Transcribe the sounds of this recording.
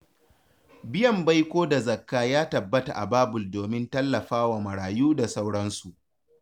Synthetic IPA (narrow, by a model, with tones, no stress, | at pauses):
bɪ˦jɐ˨mba˦jkʷoː˦da˨zɐ˨kːaː˦jaː˦tɐ˨bːɐ˦ta˨ʔa̰˨baː˦bʊ˨ldoː˨mɪ˦ntɐ˦lːɐ˨ɸaː˦waː˨mɐ˨ɽaː˨juː˦da˨sa˦wɽɐ˦nsu˨ʔ